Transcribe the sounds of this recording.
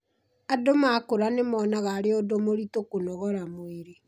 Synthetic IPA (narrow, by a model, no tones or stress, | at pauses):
adomakoɾanemɔːnaɣaːɾeodomoɾitokonɔɣɔɾamoeɾe